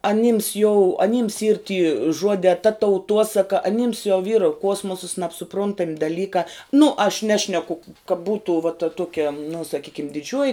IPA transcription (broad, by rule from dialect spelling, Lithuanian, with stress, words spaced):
ɐˈnʲɪms jɛʊ ɐˈnʲɪms iːr tʲiː ˈʒuɔdʲɛː tɐ tɐʊˈtuɔsɐkɐ ɐˈnʲɪms jɛʊ ʋʲiːr ˈkuɔsmoːsɐs nɐpsʊˈprʊntɐmʲ dɐˈlʲiːkɑː nʊ ɐʃ ˈnʲæːʃʲnʲɛkʊ kɐ ˈbuːtʊ ʋɐ tɐ ˈtuɔkʲɛ nʊ sɐˈkʲiːkʲɪm dʲɪˈd͡ʒʲuɔjɪ